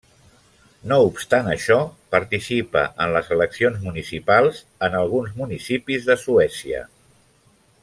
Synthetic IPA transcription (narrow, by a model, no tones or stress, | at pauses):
noupst̪anəʃɔpəɾt̪isipə̰ʔənləzələksionzmunisipalˠz | ənəlˠɣ̞unzmunisipizðəsuɛsiə̰